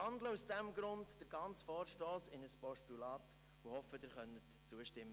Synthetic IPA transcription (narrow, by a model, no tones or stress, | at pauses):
ɑndləusd̥ɛmɡɾʊntd̥əɾɡ̥ɑnt͡sfɔːɾʃtɔːsɪnəspɔʃtulɑːt | uhɔfəd̥ɪːɾχœnətt͡suəʃtɪmːə